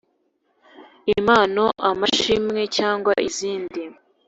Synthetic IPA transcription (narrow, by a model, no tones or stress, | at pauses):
imaːnoʔamaʃimŋe̞caːŋɡwaʔiziːndi